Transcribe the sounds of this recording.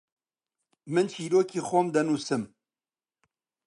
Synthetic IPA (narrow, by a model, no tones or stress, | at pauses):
mɨnt͡ʃʰiːɾoːkʰiːxʷɔmd̪ɛnuːsɨm